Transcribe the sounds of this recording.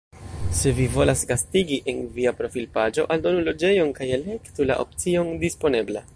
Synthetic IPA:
se̞vivo̞lasɡastiɡiʔenviapɾo̞filpad͡ʒo̞̰ʔaldo̞nulo̞d͡ʒe̞jo̞nkajele̞ktula̰ʔo̞̰p̚t͡sio̞ndispo̞ne̞ble

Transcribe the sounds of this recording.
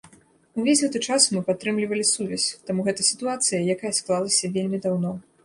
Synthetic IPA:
uvʲesʲɣɛt̪ɨt͡ʂasmɨpat̪ːɾɨmlʲivɐlʲisuvʲɐsʲt̪amuɣɛt̪ɐsʲi̥t̪uat̪sɨjɐjakajɐsklˠalˠɐsʲɐvʲelʲmʲid̪awnɔ

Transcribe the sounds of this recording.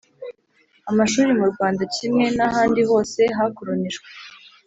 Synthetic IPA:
amaʃuːɾimuɾɡwaːndacimŋe̞naɦaːndiβo̞ːse̞ɦakuɾoniʒɡwe

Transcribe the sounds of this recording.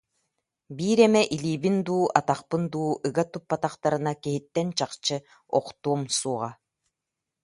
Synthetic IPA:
biːɾɛmɛʔiliːbind̪uːʔat̪aqpɯnd̪uːɯɡat̪upːat̪aqt̪aɾɯnakiɦit̪ːɛnt͡ɕaqt͡ɕɯ | ɔqt̪uɔmsuɔʁa

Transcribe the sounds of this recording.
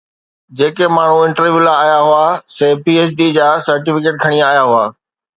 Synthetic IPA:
d͡ʑeːkemaːɳ̤uɪ̃ɳʈəɾʋjulaaːjaɦʊasepiːeːsɖid͡ʑaːsɐɾʈɪfɪkeːʈ̚kʰɐɽ̃iaaːjaɦʊa̰ː

